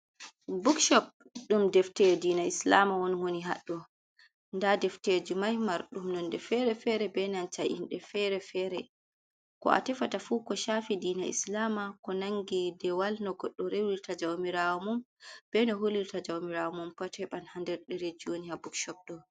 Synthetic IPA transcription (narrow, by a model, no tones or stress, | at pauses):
bukʃɔp̚ | ɗumdɛftɛdiːnaislamawɔnwoniɦa̰ɗːɔ | ndadɛfted͡ʒumajmaɾɗumnɔndɛfɛɾɛfɛɾɛbɛnant͡ʃaʔḭnɗɛfɛɾɛfɛɾɛ | kɔ̰a̰tɛfatafukɔʃafidiːnaʔḭslamakɔnaŋɡidɛwalnɔɡɔɗːɔɾewiɾtad͡ʒawmiɾawɔmumb̥ɛnɔɦoliɾtad͡ʒawmiɾawɔmumpatʰɛɓanhandɛɾɗɛɾed͡ʒonihabukʃɔp̚ɗɔ